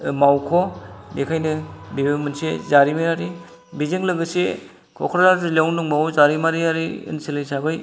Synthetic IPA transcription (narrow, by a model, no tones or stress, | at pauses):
mawkʰobekʰajnɯbibemɯnsezaɾimeɾaɾi | bizeŋlɯɡɯse | kʰɔ̰kʰɾzaɾzɯlewnuŋmawzaɾimaɾiaɾiɯ̰nselajsabɯj